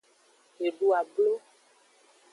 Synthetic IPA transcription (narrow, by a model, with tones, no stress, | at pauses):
e˨ɖu˦a˨blo˦